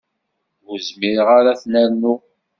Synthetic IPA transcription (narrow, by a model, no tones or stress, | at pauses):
uzmiɾʁaɾaθnæɾnu